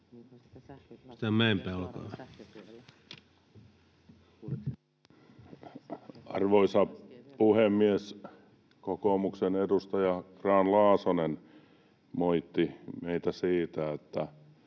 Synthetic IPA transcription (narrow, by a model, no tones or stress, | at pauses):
st̪æmeimpelkɑː | ɑ̰rʋoisɑpuhemːies | kokomuksenedust̪ɑjɑkrɑːnlɑːsonen | moit̪ːimeit̪æsiːt̪æet̪ːæ